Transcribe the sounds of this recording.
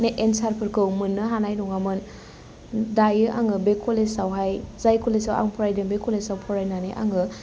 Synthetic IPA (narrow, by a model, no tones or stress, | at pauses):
neʔensaɾpʰɯɾkʰɯwmɯnːɯɦanajnuŋamɯn | dajɯʔaŋɯbekʰolesawɦajzajkʰolesawa̰ŋpʰɔɾajdɯnbekʰolesawpʰɔɾajnaniʔa̰ŋɯ